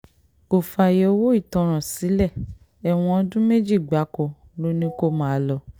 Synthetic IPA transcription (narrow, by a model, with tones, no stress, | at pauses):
ko˨fa˧˨je˧o˦˧wo˦i˦˨tɔ̃˨˧ɾ̃ã˨si˨˦lɛ˦˨ | ɛ˨w̃ɔ̃˧ɔ˧dũ˦me˦d͡ʒi˦˨ɡ͡ba˨˦kɔ˧˦ | lo˦nĩ˦ko˦˨mãː˨˦˧lɔ˧